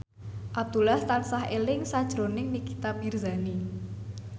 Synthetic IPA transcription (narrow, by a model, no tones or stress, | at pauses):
ʔapb̚d̪ulaht̪ansaɦʔelɪŋsad̥ʒ̥ɾonɪŋnikit̪ap̚mirzani